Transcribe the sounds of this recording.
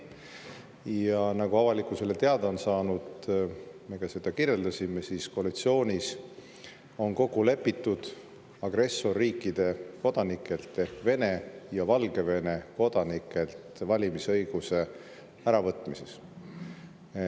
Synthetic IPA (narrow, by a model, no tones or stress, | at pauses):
jɑnɑɡ̥uɑvɑlikːˑuse̞lːet̪e̞ɑd̪ɑonsɑːnud̪̥ | me̞ɡɑsed̪̥ɑkiɾje̞ld̪ɑsimesisko̞ɑlit̪sio̞ːnʲis | o̞nko̞ɡule̞pːˑit̪ːud̪̥ | ɑɡ̥re̞sːo̞rːiːkːid̪̥e̞ko̞d̪̥ɑnikːˑe̞lt̪ːe̞hkve̞ne̞jɑvɑlɡ̥e̞ve̞ne̞ko̞d̪̥ɑnikːˑe̞lt̪vɑlʲimisɤ̞jɡ̥use̞ | æɾɑvɤt̪ːˑmise̞s